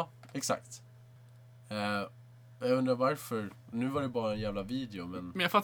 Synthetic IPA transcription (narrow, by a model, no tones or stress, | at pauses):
ɛksa̰k̚t̪ | ɛ | jaɵnd̪ɾavaɾfœɾ | nʉ̟ːvaɖɛbɑːɾaɛnjæːvlaviːd̪ɛʊmɛnmɛnjafat̪ː